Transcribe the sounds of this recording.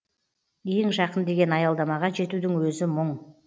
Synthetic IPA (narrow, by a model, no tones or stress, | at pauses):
eŋʒɑqənd̪e̞ɡʲe̞nɑjɑlˠd̪ɑmɑʁɑʒe̞t̪ud̪ɪŋwɵzɪməɴ